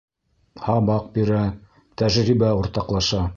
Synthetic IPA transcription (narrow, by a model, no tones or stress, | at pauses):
hɑβɑq̚biɾæ | t̪æʒɾibæuɾt̪ɑqlˠɑʃɑ